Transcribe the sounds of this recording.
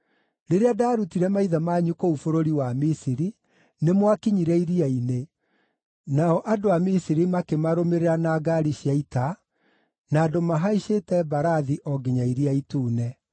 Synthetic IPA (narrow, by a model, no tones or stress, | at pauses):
ɾeɾeadaːɾutiɾɛmaiðamaɲukoufoɾoɾiwamisiɾi | nemwakiɲiɾɛiɾiaine | naɔʔadoamisiɾimakemaɾomeɾeɾanaːɡaɾiɕjaita | naːdomaɦaiʃetɛbaɾaðiʔɔɡeɲaiɾiaituːnɛ